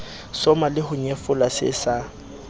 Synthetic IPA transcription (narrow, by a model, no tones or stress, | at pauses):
sɔmalɪhʊɲefʊlasɪ̰sa